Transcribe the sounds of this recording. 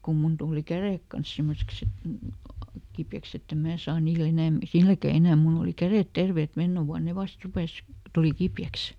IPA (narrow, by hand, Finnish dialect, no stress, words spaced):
kum mun tuːli kæreˑk kɑns simːoseks et kipjæks etːem mæː sɑː niːl enæˑm silːækæ enæˑ mulː oli kæreˑt terʋeːt menːæ ʋuɑn ne ʋɑst rupes tuli kipjæks